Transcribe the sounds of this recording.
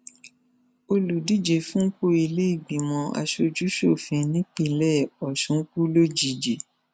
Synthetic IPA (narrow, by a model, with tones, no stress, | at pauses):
o˧lu˨di˦˨d͡ʒe˨fũ˦ko˦i˧le˦i˦˨ɡ͡bi˨mɔ̃˧a̰˧ʃo˧d͡ʒu˦ʃo˦˨fĩ˧nĩ˦k͡pĩ˦˨˦lɛ˦˨ɔ˨ʃũ˨˦ku˦lo˦d͡ʒi˨d͡ʒe˨